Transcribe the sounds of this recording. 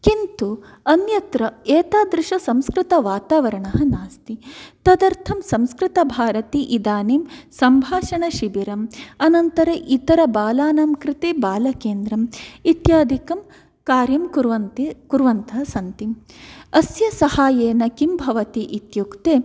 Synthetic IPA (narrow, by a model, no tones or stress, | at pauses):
kint̪u | ɐnjɐt̪ɾɐeːt̪aːd̪ɾɪʃɐsɐmskɾɪt̪ɐʋaːt̪aːʋɐɾɐɳɐɦɐnaːst̪it̪ɐd̪ɐɾt̪ʰɐmsɐmskɾɪt̪ɐbʱaːɾɐt̪iʔid̪aːnimsɐmbʱaːʂɐɳɐʃibiɾɐmɐnɐnt̪ɐɾɐʔit̪ɐɾɐbaːlaːnɐmkɾɪt̪ebaːlɐkeːnd̪ɾɐmit̪jaːd̪ʱikɐm | kaːɾjɐmkuɾʋɐnkuɾʋɐnt̪ɐɦɐsɐnt̪imɐsjɐsɐhaːjeːnɐkimbʱɐʋɐt̪iʔit̪jukt̪eː